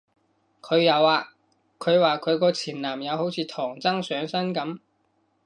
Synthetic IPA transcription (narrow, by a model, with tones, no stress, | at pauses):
kʰɵ˨˧ɥjɐ˨˧waː˧ | kʰɵ˨˧ɥwaː˨kʰɵ˨˧ɥkɔː˧t͡sʰiː˨˩mnaː˨˩mjɐ˨˧who˨˥wt͡sʰiː˨˧t̪ʰɔː˨˩ŋt͡sɐ˥ŋsœː˨˥ŋsɐ˥nkɐ˨˥m